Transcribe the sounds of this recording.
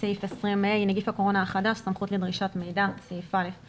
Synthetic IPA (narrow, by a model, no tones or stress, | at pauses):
sejfesʁimejneɡifako̞ʁo̞naːχadaʃsamχutledʁiʃatme̞jdasejfale̞f